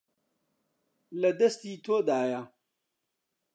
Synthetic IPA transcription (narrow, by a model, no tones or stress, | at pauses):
lɐd̪ɐst̪it̪ʰoːd̪aːja